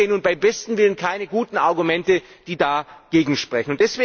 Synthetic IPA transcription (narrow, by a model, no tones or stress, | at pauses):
nʊnt̚b̥aɪmbɛstn̩vɪlənkʰaɪnəɡuːtn̩ʔaɐɡumɛntə | d̥iːdaːɡ̥eːɡŋ̩ʃpʁ̥ɛçn̩ʊntd̥ɛsv̥eː